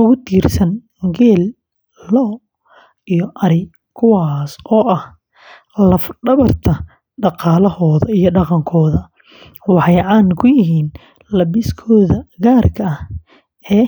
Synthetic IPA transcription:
ʊɣʊt̪ʰiːrsɐn | ɡɛːl | lɔː | ijɔʔɐɾɪ | kʰʊwɑːsɔːʔɐh | lɐfɖɐβɐrt̪ʰɐ | ɖɑqɑːlɐɦɔːðɐijɞɖɑqɑŋkʰɔːðɐ | wɑħɑjʕɑːnkʰʊjɪɦiːn | lɐbɪskʰɔːðɐɡaːrkʰɐɐh | ɛː

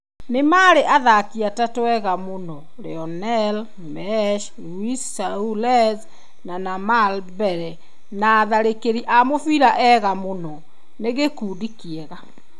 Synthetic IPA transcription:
nemaːɾeʔaðakiatatɛɣamonɔ | ɾeɔnɛl | mɛʃ | luisaulɛz | nanamalbɛɾɛ | naːðaɾekeɾiʔamofiɾaʔɛɣamonɔ | neɣekuːdikiɛɣa

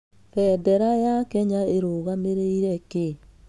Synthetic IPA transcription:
fɛːdɛɾajakɛɲaeɾoɣameɾeiɾɛke

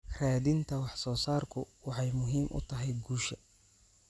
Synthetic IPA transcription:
raːd̪ɪnt̪ʰɐwɑħsɔːsaːrkʰʊwɑħɑjmʊɦiːmʔʊ̰t̪ʰɐɦɛjɡuːʃɐ

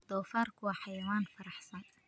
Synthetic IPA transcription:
d̪̥ɔːfaːrkʰʊwɑħɑjɐwaːnfɐɾɑħsɐn

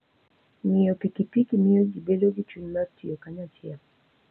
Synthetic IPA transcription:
nijɔpikipikimiɔɡibeloɡit͡ʃunmatʰiɔkaɲatia

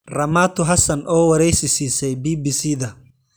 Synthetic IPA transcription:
rɐmaːt̪ʰʊɦɐsɐnʔɔːwɐɾɛjsɪsiːsɛjbiːbiːsiːðɐ

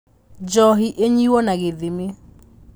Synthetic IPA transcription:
d͡ʒɔɦiʔeɲiwɔnaɣeðeme

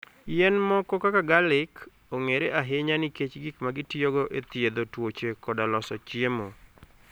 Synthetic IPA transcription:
jɛnmɔkɔkakaɡalɪk | oŋeɾeʔaɦɪɲanɪket͡ʃɡɪkmaɡɪtjoɡoʔet̪jed̪otwot͡ʃekɔdalɔsɔt͡ʃjemo

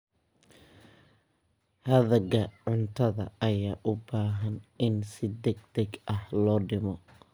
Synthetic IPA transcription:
hɐðɐɡɐʕʊnt̪ʰɐðɐ̰ɐjaːʔʊbaːɦɐnɪnsɪd̪ɛɡ̚d̪ɛɡɐhlɔːɖɪmɔ

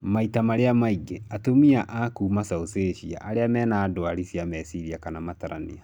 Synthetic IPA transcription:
maitamaɾeamaiɡeatomiaʔakuːmasaoseɕia̰ʔaɾeamɛːnaːdoaɾisjamɛsiɾiakanamataɾa̰nḭa

